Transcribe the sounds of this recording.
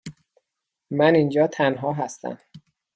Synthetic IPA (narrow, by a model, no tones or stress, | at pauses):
mænind͡ʒɒːt̪ʰænɦɒːɦæst̪æ̰m